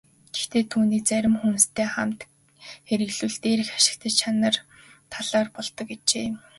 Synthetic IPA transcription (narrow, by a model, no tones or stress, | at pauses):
ɡe̥xt̪ʰeːt̪ʰuːniːk̚t͡sæɾʲɪ̆mxunst̪ʰeːχam̥t̪ | xeɾɘ̆ɣɮuɮt̪eːɾ̆xḁʃɪ̥̆k̚t̪ʰə̆t͡ɕt͡ɕʰanə̆r | t̪ʰaɮaːrpɔɮt̪ɞ̆ket͡ɕeː